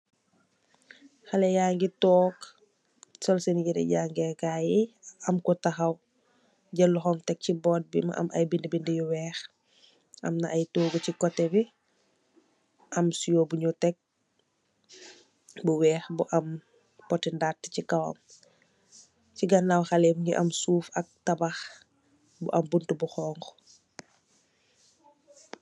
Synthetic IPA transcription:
xɐlɛjaŋɡitɔːk | sɔlsɛniɡidɛ̰ɟaːŋɡɛkajiɐmkɔtɐxɐw | ɟɐlːuxɔmtɛk̚cibɔːt̚bimɐ̰ʔɐ̰mʔɐ̰jbindəbindəjuwɛːx | ɐ̰mnɐʔɐjtoːɡucikɔtːɛbi | ʔɐmsujobuɲutɛk̚ | buwɛːxbuʔɐm | pɔtɛndatːcikɐwɐ̰m | ciɡɐnːɐwxɐlɛmɲɡiʔɐmsuːfɐk̚tɐbɐx | buʔɐmbuntubuxɔːŋɡ

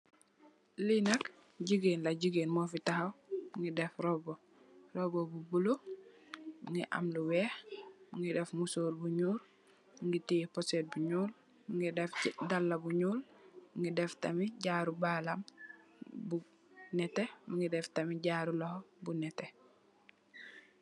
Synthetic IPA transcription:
linak | ɟiɡeːnlaɟiɡeːnmofitahawmuŋɡidɛfɾobo | robobubulo | muŋɡiʔa̰mluwɛːhmuŋidɛfmusoːɾbuɲuːɾ | muŋɡitiposeːt̚buɲuːl | muŋidefdalːabuɲuːlmuŋɡidɛftamiɟaːɾubalam | bu | nɛtemuŋɡidɛftamiɟaːɾulɔhobunɛte

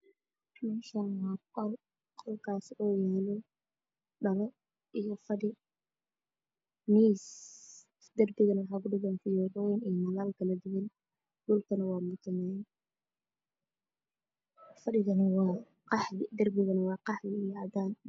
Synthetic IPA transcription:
mɛːʃɐnwɑːqɔr | qʰɔlkʰaːsɔːjɛːlɔ | ɖɐlɔ | ʔijɔfɐɖɪ | miːs | d̪̥ɐrbɪɣɐnɐwħaːkʊɖɪɣɛːnfɪjɔʕɔwjnijmɐlaːlkʰɐlɐd̪ɪwɪn | ɖʊlkʰɐnɐwɑːmʊd̪ɪnɛːn | fɐɖɪɣɐnɐwɑː | qɑħɪd̪ɐrbɪɣɐnɐwɑːqɑħlɪjɑʕd̪aːn

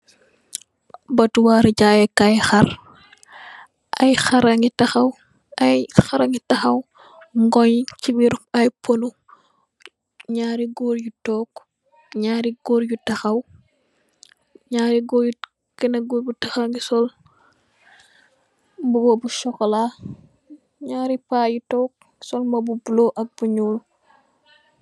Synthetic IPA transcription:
bɐtuwaɾɟaːjɛkajxɐr | ʔɐjxɐɾɐŋɡitɐxɐw | ɐjxɐɾɐŋɡitɐxɐw | ŋɡɔɲt͡ʃibiɾɐjponu | ɲaːɾiɡoːɾjutɔːk | ɲaːɾiɡoːɾjutɐxɐw | ɲaːɾiɡɔːju | kinɐɡuːɾbutɐxɐŋɡisɔl | bubɔbuʃɔkɔla | ɲaːɾipaːjutɔk̚ | ɡisɔlmɐbubuloʔɐk̚b̥uɲuːl

